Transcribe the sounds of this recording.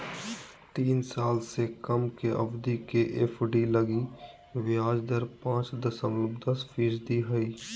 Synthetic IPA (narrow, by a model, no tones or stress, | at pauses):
t̪iːnsaːlsekəmkeʔə̰bd̪ikeʔepʰɖiləɡi | ʋaːd͡ʒd̪əɾpãːt͡ʃd̪əsəmləbd̪əspʰiːsd̪iɦəiː